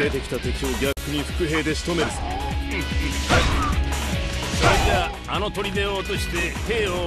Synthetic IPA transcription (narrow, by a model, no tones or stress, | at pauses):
e̞t̪e̞kʲi̥t̪at̪o̞kʲio̞ɡʲakːɯ̟ɲ̟iɸɯ̟̥kɯ̟ɦe̞ːd̪e̞ɕi̥t̪o̞me̞ɾɯ̟ | soɾet̪a | ano̞t̪o̞ɾʲid̪e̞oːt̪o̞ɕi̥t̪e̞he̞ːo